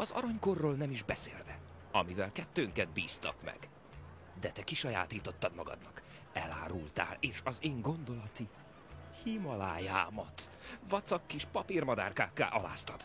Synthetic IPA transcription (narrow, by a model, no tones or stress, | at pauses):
ɒzɒ̰ɾɒɲko̞rːoːlnɛmiʒbɛsḛːlvɛ | ɒmivɛlkɛt̪ːøːŋkɛd̪̚biːst̪ɒ̰kmɛ̰ɡ̥ | d̪ɛt̪ɛkiʃɒja̰ːt̪iːt̪o̞t̪ːɒd̪mɒɡɒ̰d̪nɒk | ɛla̰ːɾult̪a̰ːleːʃɒzeːŋɡo̞nd̪o̞lɒt̪i | himɒlaːjaːmɒt̪vɒt̪sɒkːiʃpɒpirmɒd̪a̰ːrkaːkːa̰ːʔɒla̰ːst̪ɒd̪̥